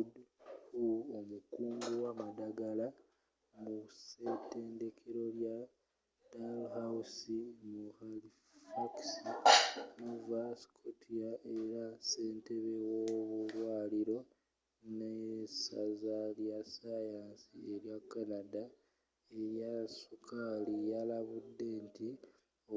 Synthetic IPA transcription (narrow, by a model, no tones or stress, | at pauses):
dhuomukuːmɡuwamadaɡala | museteːnde̞kʰe̞ɾo̞lja | d̥alhawusimuhali | faksimuvaskʰotʰiaʔeɾase̞ːnte̞βewoβulwaːliɾo̞ | nesazaljasajaːnsieɾjakːanada | e̞ɾjasukʰalijalaβudːe̞ːnti | o